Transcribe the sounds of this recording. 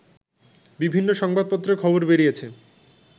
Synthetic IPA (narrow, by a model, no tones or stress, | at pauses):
bibʱinːoʃɔŋbad̪̚pot̪ːɾokʰɔboɾbeɾijet͡ɕʰe